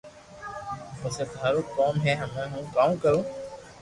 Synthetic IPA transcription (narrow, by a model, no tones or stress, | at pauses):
pəset̪aːɾoːkɔːmɦɛːɦəmãːɦũːkaːõkəɾõː